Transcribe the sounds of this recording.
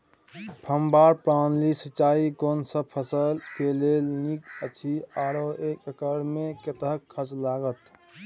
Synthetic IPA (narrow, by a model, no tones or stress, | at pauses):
pʰəmbaɾpɾanlisət͡ʃaiɡonsə̃pʰəsəlkelelnikət͡ʃʰiaɽoekəkəɾmeket̪əɦəkʰət͡ʃlaɡət̪